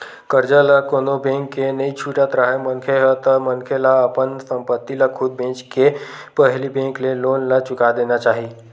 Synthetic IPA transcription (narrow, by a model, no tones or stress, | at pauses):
kəɾd͡ʒalakonobẽŋkːenəit͡ʃʰuʈat̪ɾaɦemənkʰeɦət̪əmənkʰelaəpənsə̃mpət̪ːilakʰud̪̚bẽt͡ʃkepəɦlibẽŋkleloːnlat͡ʃʊkad̪enat͡ʃaːɦi